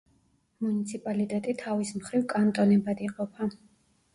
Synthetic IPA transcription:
munit̪sʰipʼalit̪ʼɛt̪ʼit̪ʰavismχɾivkʼant̪ʼɔnɛbad̪iqʼɔpʰa

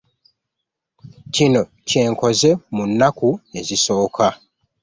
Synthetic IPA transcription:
cino̞ | ce̞ːŋko̞zemunːakue̞ziso̞ːkʰa

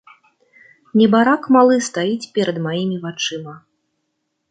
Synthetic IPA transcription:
nʲɛbaɾakmalˠɨst̪ajit͡sʲpʲɛɾɐd̪majimʲivat͡ʂɨmɐ

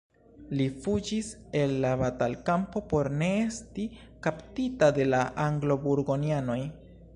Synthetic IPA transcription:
lifud͡ʒise̞lːabatalkampo̞po̞ɾne̞esti | kaptitade̞laʔaŋɡlo̞buɾɡo̞niano̞j

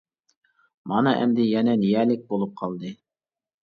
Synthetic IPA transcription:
mɑnɑʔɛ̰md̪ɪjɛnɛnijɛːlɪk̚ʲbolˠup̚qʰɑlˠd̪ɨ

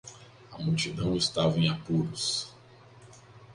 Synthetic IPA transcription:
ɐmuwt͡ʃid̪ɐ̃w̃ɪst̪avɐẽj̃apuɾʊs

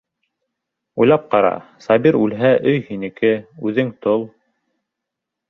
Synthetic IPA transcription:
ujlˠɑp̚qɑɾɑ̰sɑbiɾʉlɦæʔɵjhinɘ̆kɘʉðɘŋt̪olˠ

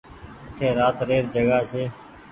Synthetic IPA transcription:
ɪt̪ʰeːɾaːt̪ɾeːɾd͡ʒəɡaːseː

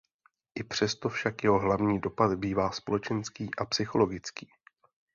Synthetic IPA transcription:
ʔɪpr̝̥ɛst̪o̞fʃakjɛɦo̞ɦlavɲiːdo̞pat̪biːvaːspo̞lɛt͡ʃɛnskiːʔapsɪxo̞lo̞ɡɪt͡skiː

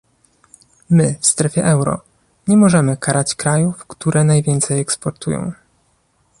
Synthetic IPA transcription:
mɘfst̪ɾɛfʲjɛʔɛwɾɔ̰ | ɲɛmɔʐɛmɘkaɾʔat͡ɕkɾajufkt̪uɾʔɛnajvʲjɛnt̪sɛjɛkspɔɾt̪ṵjɔ̰̃w̃

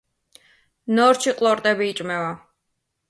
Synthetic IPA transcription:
nɔɾt͡ʃʰiqʼlˠɔɾt̪ʼɛbiːt͡ʃʼmɛva

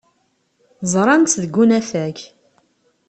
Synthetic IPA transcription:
zˤɾˤɑnt̪ːðəɡunæfæç

